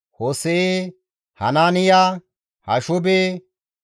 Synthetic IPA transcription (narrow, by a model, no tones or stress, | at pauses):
hoːseeː | hɐ̰naːnɪjaː | hɐʃʊbe